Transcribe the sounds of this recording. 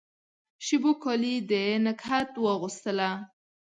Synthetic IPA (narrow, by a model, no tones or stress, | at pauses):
ʃibokɔlid̪əenəkhat̪wəɣust̪əla